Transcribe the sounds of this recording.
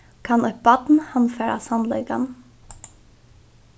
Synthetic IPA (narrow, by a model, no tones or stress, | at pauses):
kʰɑnœpbɑt̪n̩hɑnfeːɾɑ̰sɑnlɛ̰ɡɑ̰n